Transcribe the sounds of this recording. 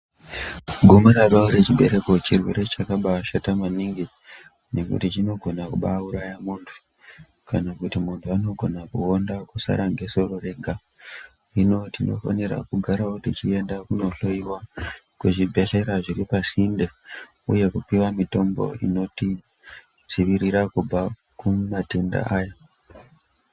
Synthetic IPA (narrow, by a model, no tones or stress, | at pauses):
ɡʱumuɾaɾoɾe̞t͡ʃiɓe̞ɾe̞ko̞t͡ʃirwe̞ɾe̞t͡ʃakaɓaːʃatamaniŋɡi | ne̞kṵtit͡ʃino̞ɡʱo̞nakuɓa̰uɾajamuːntʰu̥ | kanakutimuntʰuano̞ɡʱo̞nakuondakusa̰ɾaŋɡe̞so̞rore̞ɡʱa | rino̞tino̞̰fa̰niɾa̰kuɡʱaɾaotit͡ʃie̞ndakuno̞ɬo̞iwa | kuʐibʱe̞ɬe̞ɾaʐiɾipasinde | ṵje̞kupiwamito̞mbo̞̰ḭno̞ti | d͡ziʋiɾiɾakub͡va | kumatenda̰ʔaːjo